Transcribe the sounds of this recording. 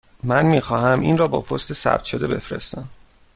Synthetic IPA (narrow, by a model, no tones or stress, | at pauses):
mænmiːxɒːhæmʔiːnrɒːbɒ̰ːpʰo̞st̪esæ̰b̥t̪ʃo̞d̪e̞be̞fɾḛst̪æm